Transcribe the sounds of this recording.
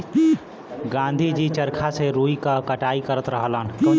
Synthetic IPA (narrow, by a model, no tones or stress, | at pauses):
ɡãːnd̪ʱid͡ʒit͡ʃəɾkʰaseɾuːikakəʈaːikəɾət̪ɾəɦəlaːnkə